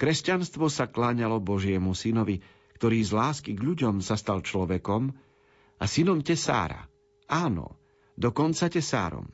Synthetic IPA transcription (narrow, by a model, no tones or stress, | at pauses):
kɾɛscanst̪ʋɔsaklaɲalɔbɔʒɪɛmusinɔʋi | kt̪ɔɾiːzlaːskiɡʎuɟɔmsast̪alt͡ʃlɔʋɛkɔm | asinɔmcɛsa̰ːɾa̰ | aːnɔ̰ | d̪ɔkɔnt͡sacɛsa̰ːɾɔ̰m